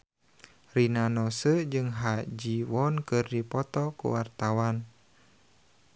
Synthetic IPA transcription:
rinanɔsəd͡ʒɨŋɦad͡ʒiwɔnkɨrdipɔt̪ɔkṵwart̪awan

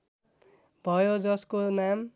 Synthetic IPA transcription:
bʱʌjod͡zʌskonam

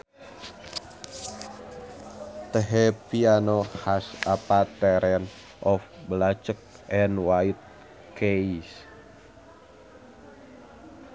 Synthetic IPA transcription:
t̪əɦɛpianohasapat̪ɛɾɛn | ʔɔfblat͡ʃək̚ | ʔɛnwait̪̚ | keis

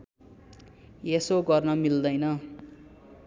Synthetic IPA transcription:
jesoɡʌrnʌmild̪ʌjnʌ

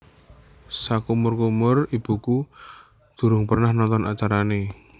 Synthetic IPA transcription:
sakumʊrkumʊrib̥ṳku | d̪̥ṳɾʊŋpərnahnɔnt̪ɔnʔa̰t͡ʃaɾane

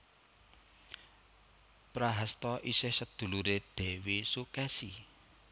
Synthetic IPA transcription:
pɾaɦast̪ɔʔisɪhsəd̪̥ṳluɾed̪̥ɛ̤wesukɛsi

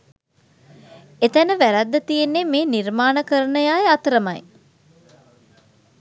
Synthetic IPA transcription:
et̪ænəʋæɾæd̪ːət̪ijenːemeːniɾmaːnəkəɾənəjaːjeat̪əɾəmaj

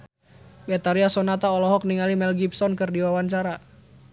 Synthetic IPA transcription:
bɛt̪aɾiasɔnat̪aɔlɔɦɔk̚niŋalimɛlɡibsɔnkɨrdiwawaɲt͡ʃaɾa

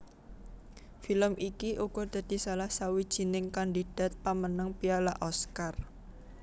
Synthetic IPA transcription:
filəmʔikiʔuɡ̥ɔd̪̥ä̤d̪̥i̤salahsawid̥ʒ̥i̤nɪŋkandid̥a̤t̪̚pamənəŋpialaʔɔskar

